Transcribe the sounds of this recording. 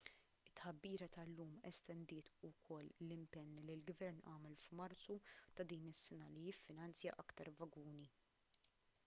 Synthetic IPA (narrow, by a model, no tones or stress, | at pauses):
ɪt̪ːħɐbːiːɾɐt̪ɐlːuːmɛ̰st̪ɛnd̪ɪːt̪ʊkʰɔlːlɪmpɛnːlilɡvɛɾnɐ̰ːmɛlfmɐɾt͡sut̪ɐd̪iːnɪsːɛnɐlijɪfːɪnɐnt͡sjɐ̰ʔɐkt̪ɐɾvɐɡuːni